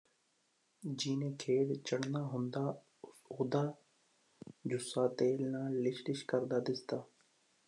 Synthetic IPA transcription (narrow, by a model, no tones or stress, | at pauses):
d͡ʒiːnẽːkʰeːd̪t͡ʃəɽnaːɦʊ̃nd̪aː | ʊsoːd̪aː | d͡ʒʊsaːt̪eːlnaːlɪʃlɪʃkəɾd̪aːd̪ɪsd̪aː